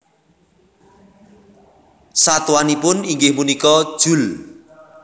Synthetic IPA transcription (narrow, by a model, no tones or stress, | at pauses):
sat̪wanipʊniŋɡɪhmunikɔd̥ʒ̥ṳl